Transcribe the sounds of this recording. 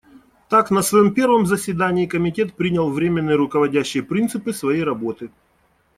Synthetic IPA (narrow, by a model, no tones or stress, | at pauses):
t̪aknəsvɐjompʲe̞rvəmzəsʲvʲɪd̪anʲɪːkəmʲɪtʲe̞t̪pɾʲinʲəlˠvɾʲemʲɪnːɨjɾʊkəvɐdʲæɕːɪjəpɾʲint̪sɨpɨsvɐjejɾɐbo̞t̪ɨ